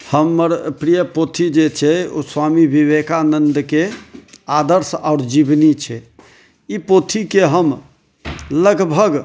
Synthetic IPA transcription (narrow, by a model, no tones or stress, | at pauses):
həməɾpɾijəpot̪ʰid͡ʒet͡ʃʰɛo̰swamibʱiβekanənd̪kead̪əɾsaʊɾd͡ʒibnit͡ʃʰɛ | ipot̪ʰikeɦəm | ləɡbʱəɡ